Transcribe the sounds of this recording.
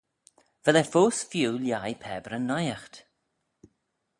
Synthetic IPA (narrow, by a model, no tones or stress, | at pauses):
v̥ɛlɛfoːsfjuːljajpʰɛːbɾənːɔjaxt̪